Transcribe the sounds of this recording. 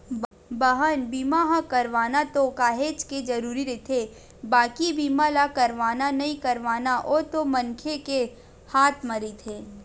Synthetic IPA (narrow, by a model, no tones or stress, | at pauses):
bəɦənbiːmaɦə̃kɐɾʋaːnat̪okaːɦeːt͡ʃked͡ʒɐɾuːɾiɾeit̪ʰe | baːkibiːmalakɐɾʋaːnanɐɦĩkɐɾʋaːnaʔoːt̪omɐ̃nkʰeke | haːt̪ʰmɐɾit̪ʰeː